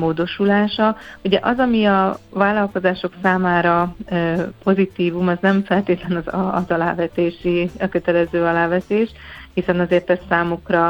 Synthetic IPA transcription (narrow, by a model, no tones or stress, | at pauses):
moːd̪o̞ʃulaːʃɒuɟɛʔɒzɒmiɒvaːlːɒlko̞zaːʃo̞ksaːmaːɾɒ | po̞zit̪iːvumɒznɛɱfɛlt̪eːt̪lɛnɒzːzɒla̰ːvɛt̪eːʃiɒkø̞t̪ɛlɛzøːɒlaːvɛt̪eːʃhisɛnɒzeːrt̪ɛsːaːmukrɒ